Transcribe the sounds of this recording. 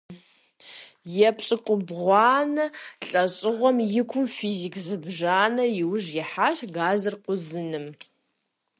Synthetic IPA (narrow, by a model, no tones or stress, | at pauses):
japʰt͡ʃʼɨkʷʼʊbʁʷɑːnɨɬʼat͡ʃʼɨʁʷɔmjɪkʷʰʊmfizikʰʼzɨbʐaːnɐiwʐjiħaʃɡazɨrqʷʊzɨnɨm